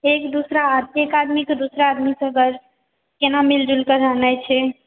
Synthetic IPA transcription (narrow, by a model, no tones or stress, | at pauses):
ekd̪usɾaekad̪miked̪usɾaːd̪misəɡəɾ | kenamild͡ʒulkəɾanajt͡ʃʰɛ